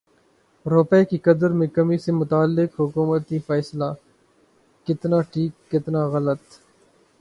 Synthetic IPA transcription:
ɾoːpɛekikɐd̪əɾmẽkɐmisemʊt̪aːlːɪkɦʊkuːmət̪ifɛːslaː | kɪt̪naʈʰiːkːɪt̪naɣɐlət̪

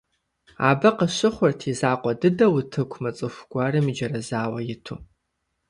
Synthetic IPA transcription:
a̰ːbɐqəɕɪχʷʊrtʰizaːqʷʼɔdɨdɐwʊtʰɨkʷʰmɐt͡sʼɨxʷɡ̥ʷarɨmid͡ʒɐɾɐzaːwɐjɪtʰṵ

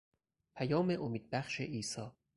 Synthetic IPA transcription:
pʰæjɒːmeʔomiːd̪̚bæxʃeʔiːsɒː

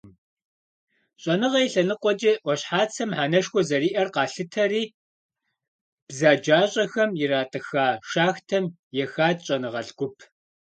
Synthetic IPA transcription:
ɕʼɐnɨʁɐjɬɐnɨqʷɔd͡ʒɐʔʷɔɕħaːt͡sʰɐmħaːnɐʃxʷɔzɐriːʔɐrqɑːɬɨtʰɐriː | b̥zaːd͡ʒaːɕʼɐxɐmjɪraːtʼɨxaːʃaːxtʰɐm | jɛxaːdɕʼɐnɨʁɐ̰ɮɡ̥ʷʊpʰ

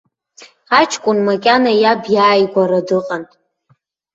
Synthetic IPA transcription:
at͡ʃʰkʷʼʊnmakʲʼanajabjaːjɡʷaɾadɨqʼantʼ

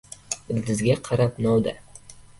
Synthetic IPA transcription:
ɪld̪ɪzɡʲaqʰɑɾapnɒwd̪a̰

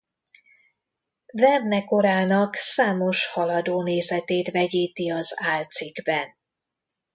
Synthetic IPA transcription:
vɛrnɛko̞ɾaːnɒksaːmo̞ʃhɒlɒd̪oːneːzɛt̪eːt̪vɛɟiːt̪iɒzaːlt̪siɡbɛn

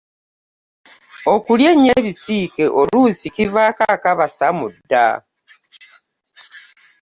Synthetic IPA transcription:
o̞kuljeɲe̞βisiːke̞ʔolusikivakakaβasamudːa̰

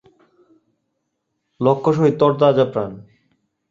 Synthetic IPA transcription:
lɔkʰːoʃ̬oɦit̪ɔɾt̪ad͡ʑapɾan

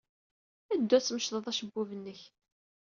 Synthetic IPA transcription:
æd̪ːæt͡sːməʃðˤəðˤæʃəbːuvənːəç

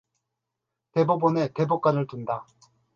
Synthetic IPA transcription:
te̞bobone̞te̞bok͈anɯɭtunda

